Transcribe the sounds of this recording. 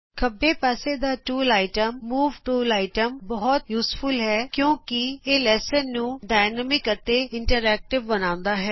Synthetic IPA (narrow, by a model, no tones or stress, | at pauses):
kʰəbːeːpaːseːd̪aːʈuːlaːɪʈəmːuːʋʈuːlaːɪʈəmbəɦɔt̪juːspʰʊlɦɛːkjõːkɪeːlɛːsənːũːɖaːɪnəmɪkət̪eːɪɳʈəɾɛːk̚ʈɪʋːənãːʊ̃nd̪aːɦɛː